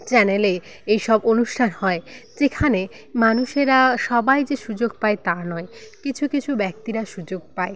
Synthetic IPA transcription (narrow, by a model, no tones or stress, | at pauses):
t͡ɕɛnele | ejʃɔbonuʃʈʰanhɔed͡ʑekʰane | manuʃeɾaʃɔbajd͡ʑeʃud͡ʑoɡ̚paet̪anɔekit͡ɕʰukit͡ɕʰubɛk̚t̪iɾaʃud͡ʑoɡ̚pae